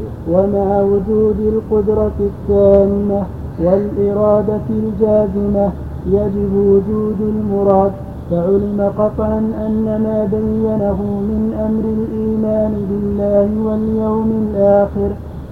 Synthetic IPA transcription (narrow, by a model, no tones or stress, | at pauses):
wamaʕawʊd͡ʒuːd̪ɪlqʊd̪ɾˤɑθːaːmɪna | walʔɪɾˤɑːd̪aɪld͡ʒaːzɪma | jad͡ʒɪbwʊd͡ʒuːd̪almʊɾˤɑːd̪ | faʕʊlɪmaqɑt̪ˤʕɑnʔanːamaːbajːanaɦʊmɪnʔamɾɪlʔiːmaːnɪbɪlːaːhɪwaljawmɪlʔaːxɪɾ